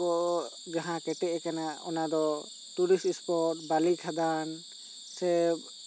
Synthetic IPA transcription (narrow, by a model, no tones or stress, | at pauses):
ɔʔ | ɡaɦãkɛʈɛʔkanaɔ̰nad̪ɔ | t̪uɾistispɔɾʈbalikʰad̪an | sɛb